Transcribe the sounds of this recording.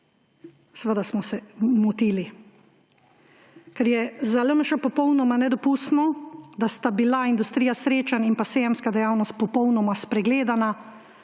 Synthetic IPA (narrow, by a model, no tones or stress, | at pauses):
sʋəd̪asmɔsɛmut̪iːli | kɛɾjɛzaləməʃəpɔpɔwnɔmanɛd̪ɔpust̪nɔd̪ast̪abilaind̪ust̪ɾijasɾeːt͡ʃaninpasejɛmskad̪ɛjawnɔst̪̚pɔpɔwnɔmaspɾɛɡleːd̪ana